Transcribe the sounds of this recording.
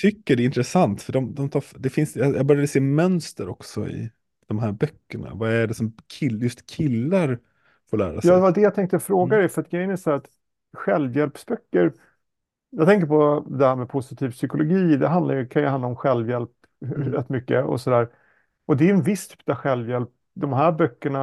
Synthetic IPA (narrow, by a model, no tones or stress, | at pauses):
t̪ʰʏkːəɖɛɪnt̪ɾɛsant̪fœɖɔmd̪ɔmt̪ʰɑːd̪ɛfɪnsjɑjɑ̰bœɾjad̪əseːmœnst̪əɾɔksɔ̰ɪ̰ | d̪̥ɔmɦæːɾbœkːəɳa̰vɑæɖɛsɔmkʰɪljɵst̪kʰɪlːaɾ | foːɾɭæ̰ːɾasjɑːd̪ɛvad̪ɛjat̪ʰɛŋk̚t̪əɔfɾoːɡad̪ɛjfœɾat̪̚ɡɾɛjənæsʊhæɾat̪ | ɧɛlvjɛlpsbœkːəɾ | jɑt̪ʰɛŋk̬əɾpɔd̪ɛhæːɾmɛpʰʊsɪt̪ʰiːvsʏkʊlʊɡiːd̪ɛɦand̪la̰ɾjɵkʰanjɑand̪aɔmɧɛlvjɛlp | ɾɛ̰t̪ːmʏkːəɔ̰sɔd̪æːɾ | ɔd̪ɛːjɛnvɪst̪ʰy̥ːpːaɧɛlvjɛlp̚ | d̪ɔmɦæːɾbœkːəɳa